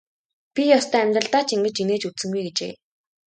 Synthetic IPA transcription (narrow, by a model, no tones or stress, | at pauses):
pʲijɔst̪ʰœːæmʲt̪rə̆ɬt̪aːt͡ɕiŋɡɘ̆t͡ɕineːt͡ɕut͡sɘ̆ŋɡujɡet͡ɕeː